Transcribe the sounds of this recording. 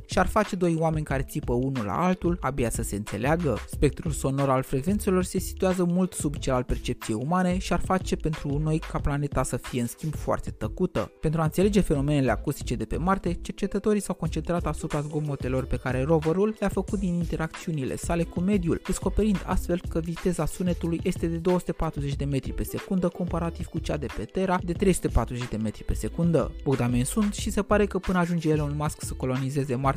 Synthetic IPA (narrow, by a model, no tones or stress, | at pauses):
ʃiarfat͡ʃe̞d̪o̞jwame̞nʲkaɾe̞t̪sipəunula̰alt̪ulabeasəse̞ɨnt̪se̞̰leaɡəspe̞k̚t̪ɾulso̞no̞ɾalfɾe̞ɡve̞nt̪se̞lo̞rse̞si̥t̪uazəmult̪subt͡ʃelal̚pe̞rt͡ʃe̞p̚t̪sije̞jumaneʃiarfat͡ʃe̞pe̞nt̪ɾuno̞jkaplane̞t̪asəfije̞ɨnskʲimbfoa̰rt̪e̞̥t̪əkut̪ə̰ppent̪ɾuaɨnsele̞d͡ʒe̞fe̞no̞me̞ne̞le̞a̰kust̪i̥t͡ʃe̞d̪e̞pe̞̰mart̪e̞t͡ʃe̞rt͡ʃe̞t̪ət̪o̞ɾijsawko̞nt͡ʃe̞nt̪ɾat̪asupɾazɡo̞mo̞t̪e̞lo̞rpe̞kaɾe̞ro̞vəɾulːeafəkut̪̚d̪inint̪e̞ɾak̚t̪siunile̞̰sale̞kume̞d̪juld̪̥e̞sko̞pe̞ɾind̪a̰st̪fe̞lkəvit̪e̞zasune̞t̪ulujʔe̞st̪e̞d̪e̞d̪o̞wəsu̥t̪e̞pat̪ɾuze̞t͡ʃʲd̪e̞me̞t̪ɾipe̞se̞kund̪əko̞mpaɾat̪iv̥kut͡ʃad̪e̞pe̞t̪e̞ɾad̪e̞t̪ɾe̞jsut̪e̞pat̪ɾuze̞t͡ʃʲd̪e̞me̞t̪ɾi̥pe̞se̞kund̪ə̰boɡd̪amensunt̪ʃise̞paɾe̞kəpɨnəaʒund͡ʒejelunmasksəko̞lo̞nize̞ze̞mat̪